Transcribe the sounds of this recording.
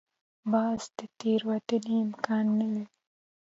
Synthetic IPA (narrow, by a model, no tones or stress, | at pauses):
bɑzd̪ət̪eɾwat̪əniɪmkɑnːalaɾi